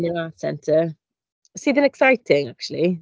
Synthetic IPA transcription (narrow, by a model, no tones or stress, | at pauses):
nəatsɛ̰̃ntʰə | siːðə̃nɛksaɪtʰɪ̃ŋak̚t͡ʃul̩ˠi